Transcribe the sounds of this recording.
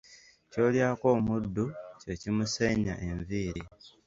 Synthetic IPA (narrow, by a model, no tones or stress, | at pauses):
co̞ːljaːko̞ːmudːuce̞cimuseɲa̰ʔe̞ɱviːɾi